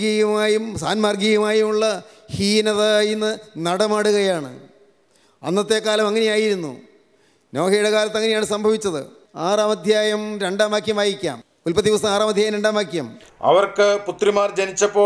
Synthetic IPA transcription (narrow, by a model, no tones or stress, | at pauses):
ɡɐjɐmaːjumsa̰ːnmaːrɡijɐmaːjumuɭːɐ | hiːnɐðajinːɨnɐɽɐmaːɽuɣɐjaːɳɨ̰ | ɐ̰nːɐt̪ːe̞ːkːaːlɐmɐŋːɐne̞jaːjiɾunːṵ | no̞ːkʰɐjuɽekaːlɐt̪ːɐŋːɐne̞jaːɳɨsɐmbʱɐʋit͡ɕːɐðɨ̰ | aːraːmɐd̪ʱjaːjɐmɾe̞ɳɖaːmaːkʰjɐmaːjikʲːa̰ːm | ulpɐd̪iʋɐsɐmaːraːmɐd̪ʱjaːjɐmɾeɳɖaːmaːkʰʲːja̰ːmɐ̰ʋɐrkɨput̪rimaːrd͡ʑɐnit͡ɕːɐpːo̞ː